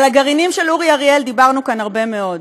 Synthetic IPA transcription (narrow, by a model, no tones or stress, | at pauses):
laɡaʁinimʃeluʁiaʁield̪ibaʁnukanaʁbe̞me̞o̞d